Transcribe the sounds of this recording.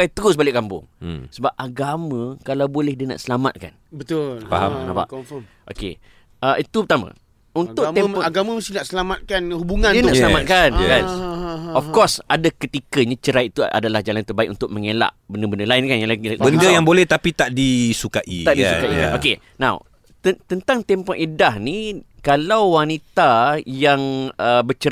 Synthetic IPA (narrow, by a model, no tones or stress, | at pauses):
ajt̪əɾʊsbalɪʔ̚ɡambʊ̰ŋsəbap̚aɡamãkalawbolɛhdina̰ʔsəlama̰t̪̚ka̰nbət̪fa̰ɦa̰mkənapa̰ʔ | ʔo̰kḛ | əit̪upət̪amã̰ | unt̪ʊkt̪ɛɔaɡamãməst̪ɪnaʔsəlamat̪̚kanhubuŋãndinaʔsəlamat̪̚kankanɔfkɔsadakət̪ikəɲãt͡ʃəɾaiʔt̪uʔa̰dalahd͡ʒalant̪ərbaɪ̰ʔṵnt̪ʊʔ̚məŋela̰ʔbəndəbəndəlaɪnkanjalaɡibəndəjaŋbolɛht̪apit̪aʔdisukaʔḭaʔdisukaʔḭa̰ʔo̰ke | nã̰w | t̪ət̪ənt̪aŋt̪ɛmpɔʔedahnikalawwanit̪ajaŋəbət͡ʃə